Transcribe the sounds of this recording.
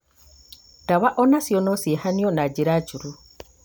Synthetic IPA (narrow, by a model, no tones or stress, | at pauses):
taβaʔɔnasiɔnɔsihaniɔnad͡ʒiɾat͡ʃuɾu